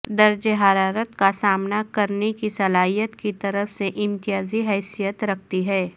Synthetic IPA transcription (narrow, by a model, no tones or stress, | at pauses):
d̪ɐɾd͡ʒeɦaːɾaːɾət̪kasaːmnakɐɾnekisɐlaːɦijət̪kit̪ɐɾəfseʔɪ̃nt̪ijaːziɦɛːsijət̪ɾɐk̚ʰt̪iɦɛː